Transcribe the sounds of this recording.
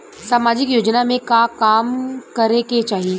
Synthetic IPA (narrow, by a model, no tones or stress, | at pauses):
saːmaːd͡ʑɪkjoːd͡ʒnamẽkakaːmkɐɾeket͡ʃaːɦi